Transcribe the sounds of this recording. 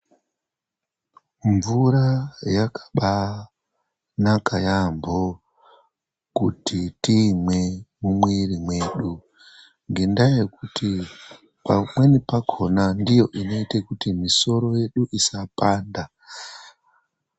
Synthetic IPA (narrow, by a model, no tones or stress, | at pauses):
ɱvuɾajakʰḁɓa | nakajambo | kutitiːmwe̞mumwiɾimwe̞ɗu | ŋɡendajekuti | pamwe̞nipakʰo̞nandijo̞ʔino̞itekutimiso̞ɾo̞je̞ɗuʔisapaːnda